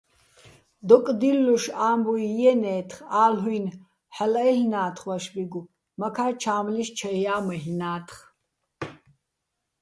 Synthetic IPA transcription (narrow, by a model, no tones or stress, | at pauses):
d̪ɔkʼd̪ilːuʃaːmbujjɛnɛːt̪ʰχaːlɦwun | ħalɛɬnaːt̪ʰχwaʃbiɡu | makʰaːt͡ʃʰaːmliʃt͡ʃʰajaːmɛɦnaːt̪ʰχ